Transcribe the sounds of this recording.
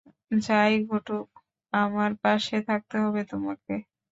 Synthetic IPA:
d͡ʑajɡʱoʈuk | amaɾpaʃet̪ʰak̚t̪eɦɔbet̪omake

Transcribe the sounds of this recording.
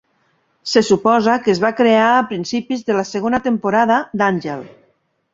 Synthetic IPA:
sesupɔzakezβakɾeaːpɾinsipizðəlaseɣonat̪empoɾaðad̪anʲʒel

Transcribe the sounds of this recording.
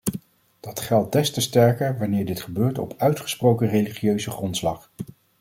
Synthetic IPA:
d̥ɑtχɛlˠd̚dɛstəstɛɹkəɹʋɑnɪːɹdɪtχəbøːɹtɔ̰pʰœɥtχə̥sprowkərejliχiøɥzəχrɔntslɑχ

